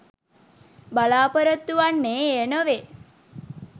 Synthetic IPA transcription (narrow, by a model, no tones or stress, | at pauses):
balaːpəɾət̪ːuʋanːeːenəʋe